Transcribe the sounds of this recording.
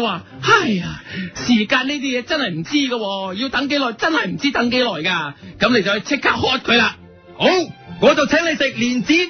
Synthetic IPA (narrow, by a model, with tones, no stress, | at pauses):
waː˨˧ | hɐ˨jsiː˨˩kaː˧niː˥t̪̬iː˥jɛː˨˧t͡sɐ˥nhɐ˨jm̩˨˩t͡siː˥ɡɐ˧wɔː˧jiː˧wt̪ɐ˨˥ŋke˨˥jlɔː˨˩jt͡sɐ˥nhɐ˨jm̩˨˩t͡siː˥t̪ɐ˨˥ŋke˨˥jlɔː˨˩jkaː˧kɐ˨˥mne˧jt͡swht͡sʰɪ˥kʰːaː˥k̚hɔː˧˥t̚kʰɵ˨˧ɥlaː˧ | ho˨˥wŋɔː˨˧t͡sɐ˨wt͡sʰɛ˨˥ŋle˨˧sɪ˨k̚liː˨˩nt͡siː˨˥